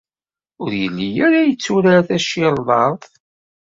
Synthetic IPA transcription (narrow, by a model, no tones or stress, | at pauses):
ʊɾjə̰lːijæɾæjət͡sːuɾaθæʃiɾˤðˤɑɾˤðˤ